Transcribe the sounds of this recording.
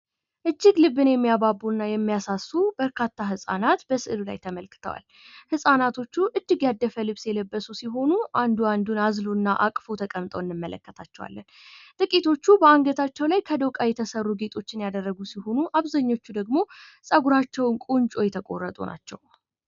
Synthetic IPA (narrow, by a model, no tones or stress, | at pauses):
ʔɨd͡ʒːɪɡlɨbːɨnjɛmːijababːunːajɛmːijasasːubəɾkʰat̪ʰːaɦɨsʼa̰nat̪bəsɨʔlula̰jt̪ʰəməlkɨ̥t̪ʰə̰wa̰l | hɨsʼanat̪ʰo̞t͡ʃːuʔɨd͡ʒːɪɡjad̪ːəfəlɨβsjɛləbːəsusiɦo̞nuʔand̪uand̪unazluɨnːaʔa̰kʼfot̪ʰəkʼəmt̪ʼəwɨnːɨmːələ̰kːət̪ʰat͡ʃːɛwa̰lːən | t̪ʼɨkʼit̪ʰo̞t͡ʃːubəaŋɡət̪ʰat͡ʃːɛwlajkʰəd̪əwkʼajɛt̪ʰəsərːuɡet̪ʼo̞t͡ʃːɪnjad̪ərːəɡusiho̞nuʔaβzaɲːo̞t͡ʃːud̪əɡmo̞sʼəɡuɾat͡ʃːɛwnkʼunt͡ʃʼo̞jɛt̪ʰəkʼo̞̰rːət̪ʼunʔa̰t͡ʃːɛ̰w